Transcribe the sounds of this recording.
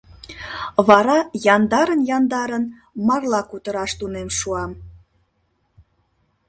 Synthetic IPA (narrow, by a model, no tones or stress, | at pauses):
βɑɾɑjɑnd̪ɑɾənjɑnd̪ɑɾən | mɑrlɑkut̪əɾɑʃt̪unemʃuɑm